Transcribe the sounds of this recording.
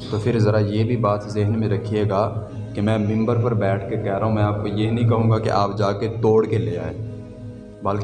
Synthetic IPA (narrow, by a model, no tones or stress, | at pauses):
t̪opʰɪɾzɐɾajebʱibaːt̪zeːɦnmẽɾɐkʰːieːɡaː | kemɛ̃ːmɪ̃mbəɾpɐɾbɛːʈʰkekɛɦɾaːɦũmɛ̃aːp̚kojenɐɦĩkɐɦũːɡakḛʔaːpd͡ʒaːket̪oːɽkeleːa̰ːeː | bɐlk